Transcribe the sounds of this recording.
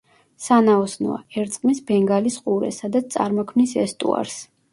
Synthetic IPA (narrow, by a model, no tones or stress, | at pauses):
sanaɔsnɔ̰a̰ɛɾt̪sʼqʼmisbɛŋɡalisqʼuɾɛ̰sad̪at̪st̪sʼa̰ɾmɔkʰmnisɛst̪ʼṵa̰ɾs